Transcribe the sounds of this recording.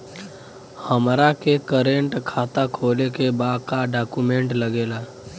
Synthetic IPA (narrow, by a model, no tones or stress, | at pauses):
həmɾakekəɾẽɳʈkʰaːt̪akʰoːlekebaːd̪̚kaɖaːkumẽːɳʈləɡeːlaː